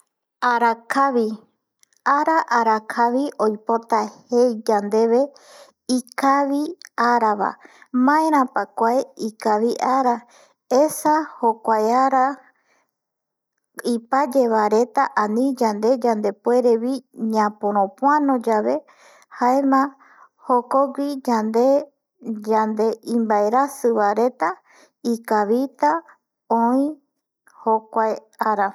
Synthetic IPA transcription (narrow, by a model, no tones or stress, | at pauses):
aɾakʰaβi | aɾaʔaɾakʰaʋiʔo̞jpo̞t̪ahejd͡ʒand̪e̞βe̞ | ikaβiaɾaβa̰mãẽɾ̃ãpakʷaeikaβiʔaɾa | esahokʷajaɾa | ipad͡ʒe̞βaɾe̞t̪aʔãnĩd͡ʒand̪e̞d͡ʒand̪e̞pwe̞ɾeβiɲãpõɾ̃õpʷanõd͡ʒaβe̞ | haemã | hokoɡʷid͡ʒand̪e | d͡ʒand̪e̞ʔĩmbaeɾasɨβaɾe̞t̪a | ikaβit̪a | õĩ | hokʷaj | aɾa